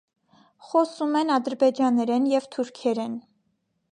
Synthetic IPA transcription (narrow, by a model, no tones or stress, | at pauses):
χɔsumɛnɑd̪əɾbɛd͡ʒɑnːɛɾɛnjɛvt̪ʰuɾkʰɛɾɛn